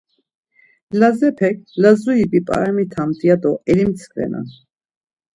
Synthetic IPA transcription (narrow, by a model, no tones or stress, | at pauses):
lazɛpʰɛk̚lazuibipʼa̰ɛmit̪ʰamt̪ʼiad̪ɔʔɛlimt͡sʰkʰvɛ̰na̰n